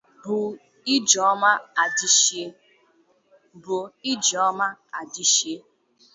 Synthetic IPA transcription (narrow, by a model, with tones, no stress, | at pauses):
bʊ˨ | i˦d͡ʒɔ˨˦ma˦a˨di˦ʃe˦ | bʊ˨i˦d͡ʒɔ˦ma˦a˨di˦ʃe˦